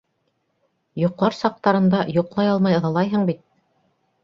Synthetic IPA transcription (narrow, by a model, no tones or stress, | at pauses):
jŏqlˠɑɾsɑq̚t̪ɑɾɤ̆nd̪ɑjŏqlˠɑjɑlˠmɑjɤ̆ðɑlˠɑjɦɤɴbit̪̚